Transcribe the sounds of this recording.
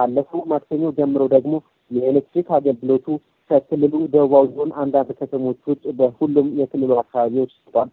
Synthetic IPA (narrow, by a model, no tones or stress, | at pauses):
kalːəfumat̪səɲːawd͡ʒɛmːɨɾəwd̪əɡmo̞ | jɛelek̚t̪ɾikaɡəlɡɨlo̞t̪ʰu | kʰəkʰɨlːɨlud̪əwβawjiho̞nand̪and̪kʰət̪ʰəmo̞t͡ʃːwʊtʼbəhulːumjɛkʰɨlːɨluakːaβaβiwo̞t͡ʃːst̪ʰwal